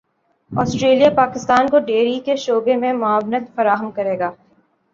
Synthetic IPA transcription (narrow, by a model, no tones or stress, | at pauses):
ɔːsʈɾeːlijapaːkɪst̪aːnkoɖeːɾikeʃoːbemẽmʊaːʋnət̪fɐɾaːɦəmkɐɾeːɡaː